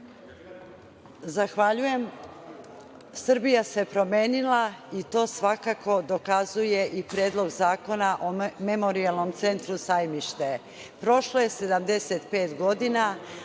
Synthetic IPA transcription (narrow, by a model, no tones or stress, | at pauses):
zaxʋaʎuje̞m | sr̩bijase̞pɾo̞me̞ːnilˠait̪o̞ːsʋakako̞d̪o̞kazuje̞ʔipɾe̞ːd̪lˠo̞ɡzaːko̞naʔome̞mo̞ɾialˠno̞mt̪se̞nt̪ɾusajmiʃt̪e̞ | pɾo̞ʃloje̞se̞d̪amd̪e̞se̞t̪pe̞ːt̪ɡo̞d̪ina